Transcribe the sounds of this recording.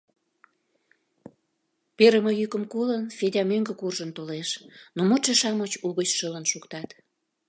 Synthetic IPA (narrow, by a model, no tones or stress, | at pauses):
peɾəməjykəmkolənfedʲɑmøŋɡəkurʒənt̪oleʃnomot͡ʃeʃɑmət͡ɕuɣət͡ɕʃələnʃukt̪ɑt̪